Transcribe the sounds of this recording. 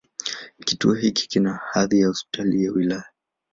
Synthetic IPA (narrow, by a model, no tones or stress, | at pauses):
kituɔɦiki̥kinahaðijahɔspi̥tʰalijawilaja